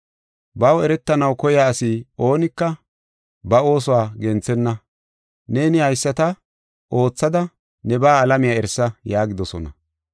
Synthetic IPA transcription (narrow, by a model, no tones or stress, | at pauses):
bɐwɛɾɛt̪ːɐnɐwkɔjaːsɪʔo̞ːnɪkːɐ | bɐo̞ːs̬ʊwaːɡɛnt͡sːɛnːɐ | ne̞ːnɪhɐjsːɐt̪ɐ | ʔo̞ːt͡sːɐd̪ɐ | nɛbaːlɐmɪjaːɛɾsːɐjaːɡɪd̪ɔsɔ̰nɐ̰